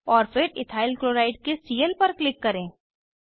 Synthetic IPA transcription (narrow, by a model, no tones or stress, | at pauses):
ɔːɾfɪɾɪt̪ʰaːɪlkloːɾaːɪɖkesiːjəlpɐɾklɪkːɐɾẽː